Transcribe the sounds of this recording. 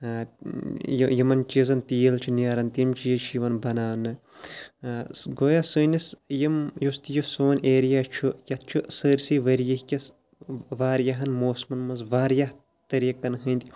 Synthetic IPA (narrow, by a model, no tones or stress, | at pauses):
jjimɐnt͡ʃizɐnt̪iːlt͡ʃʰunɐɾɐnt̪imt͡ʃijɐt͡ʃʰjiʋɐnbɐnaːnɨ | sɡoːjasɨːnɐsjimjust̪ijosoːneːɾijaːt͡ʃʰujɐt̪̚ʰt͡ʃʰusəːɾʲsiʋɐɾjɐhkʲɐs | ʋaːɾjɐɦɐnmoːsmɐnmɐnzʋaːɾjɐh | t̪ɐɾiːkɐnɦɨːnd̪i